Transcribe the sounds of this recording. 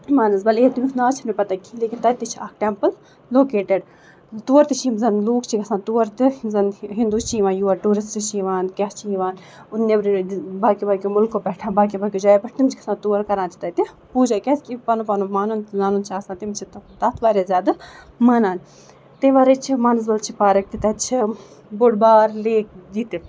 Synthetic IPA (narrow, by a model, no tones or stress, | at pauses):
maːnɐsbɐleːt̪uminaːt͡ʃʰinipɐt̪akʰileːkint̪ɐt̪it͡ʃʰiaːkʈɛmpəlː | oːkeːʈeɖ | t̪uːɐɾt̪it͡ʃʰimzɐnluːkt͡ʃʰikɐsãːt̪uːɐɾt̪izɐnɦĩnd̪uːt͡ʃʰiːʋãːnjuɐʈuːɾist͡ʃit͡ʃʰiːʋaːnkʲɛst͡ʃʰiiʋaːn | ʊnːebɾbaːkibaːkʲjomʊlkːopɛːʈʰãːbaːkibaːkʲjod͡ʒaːepɐʈt̪imt͡ʃʰikɐ̥sãːt̪uːɐɾkɐɾaːnt̪ʰi̥t̪ɐt̪i | puːd͡ʒakʲɛskipɐnupɐnumaːnunzaːnunt͡ʃʰaːsãnt̪imt͡ʃʰit̪t̪ɐt̪ʰbaːɾezʲaːd̪ɐmɐnaːn | t̪iʋaːɾet͡ʃʰimanz̬bɐlt͡ʃʰipaːɾɐk̚t̪it̪ɐt͡ʃʰi | boɽbaːɾleːk̚d͡ʒit̪i